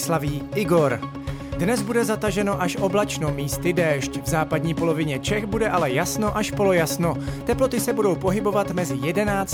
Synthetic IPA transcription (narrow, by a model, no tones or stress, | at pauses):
slaviːʔɪɡo̞ɾ | dnɛzbudɛzat̪aʒɛno̞ʔaʃʔo̞blɛt͡ʃnomiːst̪ɪdɛːʃcvzaːpadɲiːpo̞lo̞vɪɲɛt͡ʃɛxbudɛʔalɛjasno̞ʔaʃpo̞lojasno̞t̪ɛplo̞t̪ɪsɛbudo̞wpo̞ɦɪbo̞vat̪mɛzɪjɛdɛnaːt͡s